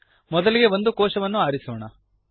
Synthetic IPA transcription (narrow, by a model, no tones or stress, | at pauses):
mɔd̪ɐliɡe̞ʋond̪ukɔːʃɐʋɐnːuaːɾisɔːɳɐ